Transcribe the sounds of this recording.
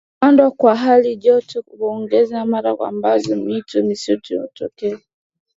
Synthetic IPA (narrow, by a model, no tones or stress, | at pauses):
andwakwaɦaliʄɔtuβɔŋɡɛzamaɾakwa̰mbazɔmitumisutuɔtɔkɛa